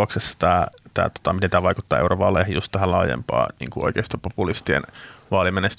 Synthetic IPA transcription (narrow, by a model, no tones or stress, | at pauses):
oksesːɑ̥t̪æːt̪æ̰ːt̪o̥t̪ɑmit̪ent̪æːʋɑikut̪ːɑːeurʔoʋɑːlḛhjust̪t̪æhælɑ̰ːjḛmpɑ̰ːnḭːŋkuoikeːst̪ɑpopulist̪iḛnʋɑːlimenest̪